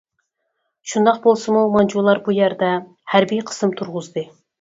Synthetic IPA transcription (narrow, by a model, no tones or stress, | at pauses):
ʃund̪ɑq̚bolˠsɨmumɑnd͡ʒulˠɑɾbujæɾd̪ɛ | hæɾbijqʰə̥sɨmt̪ʰuɾʁʊzd̪ɨ